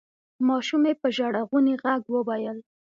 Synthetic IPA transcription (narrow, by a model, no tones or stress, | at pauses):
mɑʃumepəʒaɽaɣuniɣaɡwəwajəl